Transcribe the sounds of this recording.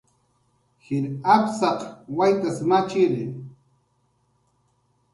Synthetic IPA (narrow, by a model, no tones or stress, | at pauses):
hɪɾapsɑqwajt̪asmat͡ʃɪɾɪ